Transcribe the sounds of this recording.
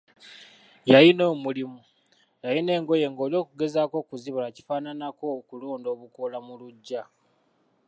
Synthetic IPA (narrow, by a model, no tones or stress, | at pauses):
jajino̞ːmulimu | jajine̞ːŋɡo̞je̞ŋɡo̞ːljo̞ːkuɡe̞zaːko̞ːkuziβulaci̥faːnanako̞kuloːndo̞ːβukolamuluɟːa